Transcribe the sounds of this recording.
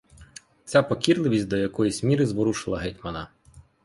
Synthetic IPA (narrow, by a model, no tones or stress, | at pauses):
t͡sʲapɔkʲirlˠɪʋʲisʲtʲd̪ɔjɐkɔjisʲmʲiɾɪzʋɔɾuʃɪlˠɐ̰ɦɛjt̪ʲmɐnɐ